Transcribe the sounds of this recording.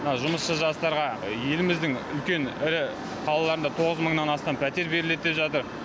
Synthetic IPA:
mənɑʒʊməsʃəʒɑst̪ɑɾʁɑje̞lɪmɪzd̪ɪŋʏlkʲe̞nɪɾɪ | qʰɑlˠɑlˠɑɾənd̪ɑt̪ʰo̞ʁəzməɴnɑnɑst̪ɑmpʰæt̪e̞ɾbe̞ɾɪle̞t̪̚d̪epʒɑt̪əɾ

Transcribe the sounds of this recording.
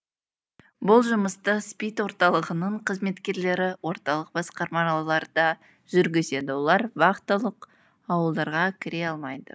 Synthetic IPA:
bʊlˠʒʊməst̪əspijt̪wo̞ɾt̪ɑlˠəʁənəɴqʰəzme̞t̪kʲe̞ɾle̞ɾɪwo̞ɾt̪ɑlˠəq̚b̥ɑsqɑɾmɑɑɑlˠɑɾd̪ɑ | ʒ̥ʏɾɡʲɪze̞d̪ɪwo̞lˠɑɾbɑqt̪ːəlˠəq | ɑwəlˠd̪ɑɾʁɑkʲʰɪɾe̞ɑlˠmɑjd̪ə̰

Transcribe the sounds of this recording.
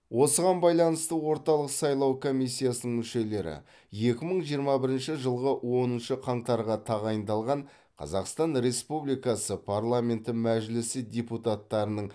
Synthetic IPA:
wʔo̞səʁɑnbɑjlˠɑnəst̪əwo̞ɾt̪ɑlˠəqsɑjlˠɑwkʰo̞mijsʲːijasənəɴmʏʃe̞le̞ɾɪ̰ | je̞kʲɪməɴʒijəɾmɑbɪɾɪnʃɪʒəlˠʁəwo̞nənʃəqʰɑɴt̪ɑɾʁɑt̪ʰɑʁɑjənd̪ɑlˠʁɑɴ | qʰɑ̰zɑqst̪ɑnɾe̞spublijkɑsəpʰaɾlˠamʲe̞nt̪ɪmæʒlɪsɪd̪ʲeput̪at̪ːɑɾənəɴ

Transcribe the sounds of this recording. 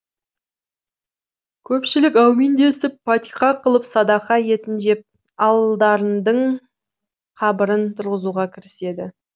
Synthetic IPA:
kʲʰɵpʃɪlɪkʲæwmend̪e̞sɪpfat̪ʲiχɑqʰəlˠəpsɑd̪ɑqɑje̞t̪ɪnʒe̞p̚ | ɑlˠd̪ɑɾənd̪əɴ | qʰɑbəɾənt̪ʰʊɾʁəzuʁɑkʲʰɪɾɪse̞d̪ɪ

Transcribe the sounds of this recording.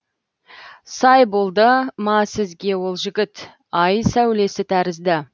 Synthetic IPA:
sɑjbo̞lˠd̪əmɑsɪzɡʲe̞wo̞lˠʒɪɡʲɪt̪ | ɑjsæwle̞sɪt̪ʰæɾɪzd̪ɪ

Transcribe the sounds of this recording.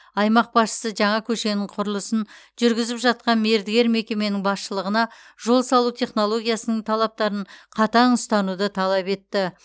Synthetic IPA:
ɑjmɑq̚bɑsʃə̥səʒɑɴɑkʲʰɵʃe̞nɪŋqʰʊɾəlˠəsənʒʏɾɡʲɪzɪpʒɑt̪̚qɑnme̞ɾd̪ɪɡʲe̞ɾme̞kʲe̞me̞nɪŋbɑsʃəlˠəʁənɑ | ʒo̞lˠsɑlˠut̪ʰe̞χno̞lˠo̞ɡʲijasənəɴt̪ʰɑlˠɑp̚t̪ɑɾəɴqʰɑt̪ɑnʊst̪ɑnud̪ət̪ʰɑlˠɑpe̞t̪ːɪ

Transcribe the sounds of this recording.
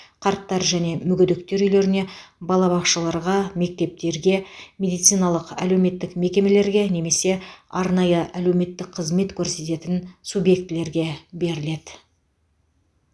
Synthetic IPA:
qʰɑɾt̪ːɑɾʒæne̞mʏɡʲʏd̪ɪk̚t̪e̞ɾʏjle̞ɾɪnebɑlˠɑβɑsʃəlˠɑɾʁɑme̞k̚t̪e̞p̚t̪e̞ɾɡʲe̞mʲe̞d̪ijt̪sɨjnɑlˠəqæle̞wme̞t̪ːɪkme̞kʲe̞me̞le̞ɾɡʲe̞ne̞me̞se̞ɑɾnɑjəʔælewme̞t̪ːɪkqʰəzme̞t̪kʲʰɵɾse̞t̪e̞t̪ɪnsubje̞k̚t̪ɪle̞ɾɡʲe̞be̞ɾɪle̞d̪̥ɪ

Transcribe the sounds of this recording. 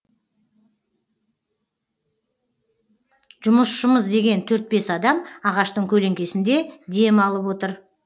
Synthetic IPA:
ʒ̥ʊməsʃʊməzd̪e̞ɡʲe̞nt̪ʰɵɾt̪̚be̞sɑd̪ɑmɑʁɑʃt̪əɴkʲʰɵle̞ŋkʲe̞sɪnd̪e̞d̪e̞mɑlˠəpwo̞t̪əɾ

